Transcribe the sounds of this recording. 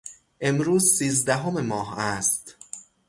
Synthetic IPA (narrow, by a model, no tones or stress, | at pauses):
ʔe̞mɾuːzsiːzd̪æɦomemɒːɦæst̪